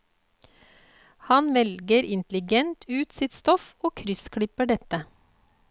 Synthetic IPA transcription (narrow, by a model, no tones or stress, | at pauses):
hɑnʋɛlɡəɾɪnt̪lɪɡɛnt̪ʰʉːt̪sɪt̪st̪ɔfoːkʰɾʏskʰɽɪpəɖɛt̪ə